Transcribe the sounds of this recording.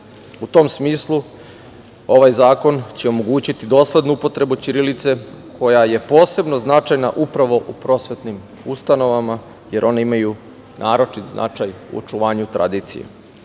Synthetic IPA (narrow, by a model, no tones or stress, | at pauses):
ut̪o̞msmiːslˠu | o̞ʋajzaːko̞nt͡ɕeomoɡuːt͡ɕit̪id̪o̞ːsle̞d̪nuupo̞t̪ɾe̞but͡ɕiɾilit̪se̞ | kʰo̞jaje̞po̞ːse̞bno̞znat͡ʃajnaʔupɾaʋo̞ʔupɾo̞sʋe̞t̪nim | ust̪ano̞ʋama | jeɾʔo̞neimaju | nʔaːɾo̞t͡ʃit̪znʔa̰t͡ʃajṵot͡ʃuʋaːɲut̪ɾa̰d̪iːt̪sḭjḛ